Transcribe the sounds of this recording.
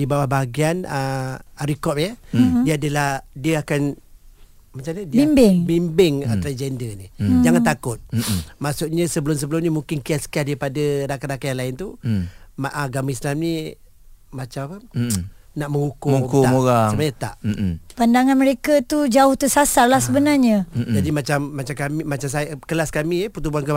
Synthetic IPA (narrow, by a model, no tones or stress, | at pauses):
dibawahbaaɡianəaɾikɔp̚jədiəadəlahdiəakan | mat͡ʃamɲadiimbɪŋbimbɪŋat̪ɾad͡ʒɛndənid͡ʒaŋant̪akʊt̪̚maʔsʊʔɲəsəbəlʊms̬əbəlʊmɲəmuŋkɪnkiat̪sə̥kiadaɾipadəɾakaɾakajaŋlaɪnt̪umaʔaɡamaislamni | mat͡ʃamapə | naʔmə̃ŋukukuaoaat͡ʃamaɲat̪a̰ʔpandaŋanməɾekat̪ud͡ʒaʊht̪əsasarlahsəbənarɲəd͡ʒadimat͡ʃamːat͡ʃamkamimat͡ʃamsajkəlaskamiəput̪̬ubuankə